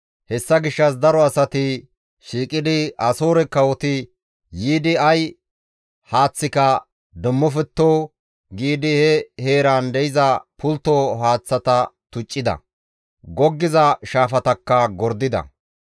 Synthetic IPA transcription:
hɛsːɐɡɪʃːɐs̬d̪ɐɾɔɐsɐt̪ɪ | ʃiːkʼɪd̪ɪɐsoːɾɛkːɐwɔt̪ɪ | jiːd̪ɪɐj | haːt͡sːɪkɐ | d̪ʊmːɔfɛt̪ːoː | ɡiːd̪ɪhɛheːɾaːnd̪ɛjɪzɐpʰʊlt̪ːoːɦaːt͡sːɐt̪ɐt̪ʊt͡ʃʼːɪd̪ɐ̰ | ɡɔɡːɪzɐʃaːfɐt̪ɐkːɐɡɔɾd̪ɪd̪ɐ̰

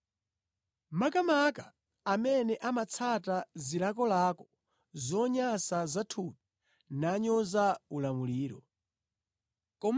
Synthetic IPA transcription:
makamakaː | mɛnɛʔamat͡sʰatazilak̬ɔlaːkɔ̥ | zɔɲasazatʰupi | naɲɔzaulamuliːɾɔ | kɔm

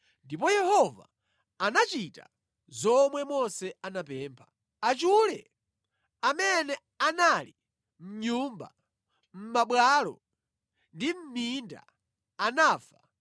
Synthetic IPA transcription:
ndip̬ɔjɛhɔva̰ː | nat͡ʃita̰ | zɔmwɛmɔnsɛanapɛːmpʰḁ | at͡ʃulɛ̰ | amɛnɛ | anali | m̩ɲumba̰ | m̩maɓwalɔ̰ | ndim̩minda̰ | anaːfa

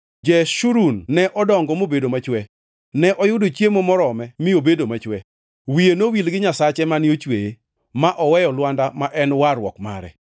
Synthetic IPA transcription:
d͡ʒɛʃuɾunːɛʔɔdɔŋɡɔmobedomat͡ʃwɛ | nɛʔɔjʊdot͡ʃjemɔmɔɾɔmɛmɪobedomat͡ʃwɛ | wijenowilɡɪɲasat͡ʃɛmaniot͡ʃweje | maʔɔwɛjɔlwandamaʔɛnwaɾwɔ̰kma̰ɾɛ̰

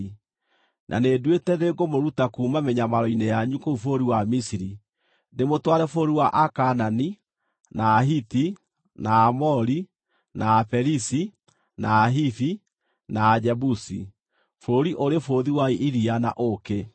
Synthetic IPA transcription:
nʔa̰nedwetɛðeɡomoɾutakuːmameɲamaɾɔinɛjaɲukoufoɾiwamisiɾi | nemotwaɾɛfoɾiwaʔakanani | naːɦiti | naːmɔɾi | naːfɛɾisi | naːɦiθi | naːd͡ʑɛbusḭ | foːɾiʔoɾefoðiwaiʔiɾiana̰ʔoke

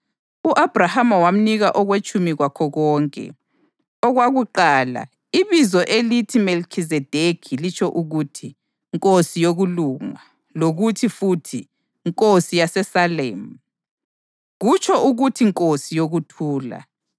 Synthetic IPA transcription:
uʔab̥ʱrahamawam̩niɣaʔɔɣwet͡ʃʰʼumiɣwakʰɔɣɔːŋkʼɛ̰ | ɔɣwaɣuǃaːla̰ | iβizɔʔelitʰimelkʰizɛd̥ʱekʰilit͡ʃʰʼɔʔuɣutʰi | ŋkʼosijoɣuluŋa̰ | loɣutʰifutʰi | ŋkʼosijasɛsaleːm̩ | ɣut͡ʃʰʼɔuɣutʰiŋkʼosijoɣutʰuːla̰

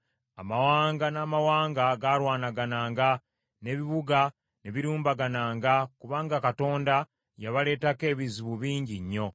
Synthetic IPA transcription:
amawaːŋɡanaːmawaːŋɡaɡaɾwaːnaɡanaːŋɡa | ne̞βiβuɡa | ne̞βiɾuːmbaɡanaːŋɡakuβaːŋɡakato̞ːnda | jaβale̞ːtake̞ːβiziβuβiːɲɟiɲːo̞

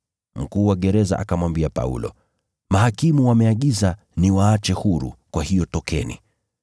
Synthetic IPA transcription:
m̩kuːwaɠɛɾɛza̰ʔakamwambiapa̰ṵlɔ̰ | maɦakimuwamɛaɠiza | niwaat͡ʃɛhuɾṵkwahijɔtɔkɛnḭ

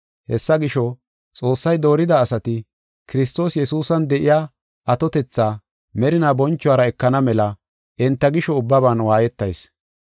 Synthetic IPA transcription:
hɛsːɐɡɪʃɔ | t͡sʼo̞ːsːɐjd̪o̞ːɾɪd̪ɐːsɐt̪ɪ | kɪɾɪs̬t̪o̞ːsjɛsuːsɐnd̪ɛʔɪjaː | ʔɐt̪ɔt̪ɛt͡sːaː | mɛɾɪnaːbɔnt͡ʃːʊwaːɾɐɛkːɐnɐmɛlɐ | ʔɪnt̪ːɐɡɪʃɔʊbːɐbaːnwaːjɛt̪ːɐ̰js

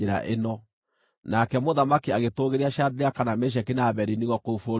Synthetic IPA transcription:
eɾa̰ʔenɔ | nakɛmoðamakiaɣetoɣeɾiaʃjadeɾeakanameʃ̬ɛkinaβɛɾiniɣɔkoufo

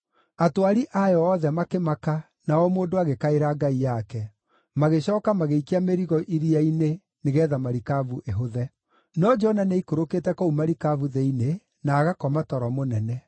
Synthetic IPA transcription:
atwaɾiʔajɔːðɛmakemaka | naɔmoːndoaɣekaeɾaɡaijakɛ | maɣeɕɔːkamaɣeikeameɾiɣɔʔiɾiaine | neɣɛːðamaɾikavuʔeɦoðɛ | nɔd͡ʒɔnaneikoɾoketɛkoumaɾikavuðeine | naːɣakɔmatɔɾɔmonɛnɛ

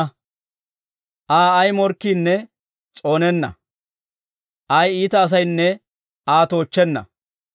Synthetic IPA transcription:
ʔaːɐjmɔɾkːiːnːɛ | t͡ʃʼo̞ːnɛnːɐ̰ | ʔɐjiːt̪ɐːs̬ɐjnːɛ | aːt̪oːt͡ʃːɛnːɐ̰

